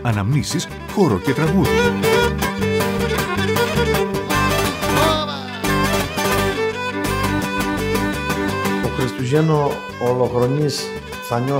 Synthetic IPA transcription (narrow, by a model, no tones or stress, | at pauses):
ɐnɐmnisis | xoɾocet̪ɾɐɣuði | okɾist̪uʝenoː | loxɾonis | θɐɲo